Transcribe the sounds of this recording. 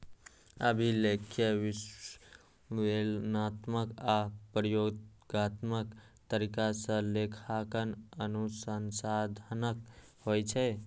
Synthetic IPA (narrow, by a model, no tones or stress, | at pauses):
əbʱilekʰjəʋis | ʋelnat̪məkapɾjoɡat̪mək | t̪əɾikasə̃lekʰakənənusənsad̪ʱənək | hojt͡ʃʰɛ